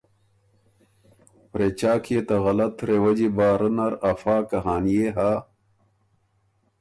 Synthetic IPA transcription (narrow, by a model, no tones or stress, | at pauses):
pɾet͡ɕaːkʰijet̪ɐɣɐlɐt̪ɾewɐd͡ʑibaːɾənɐɾɐfaːkɐɦaːnijeɦa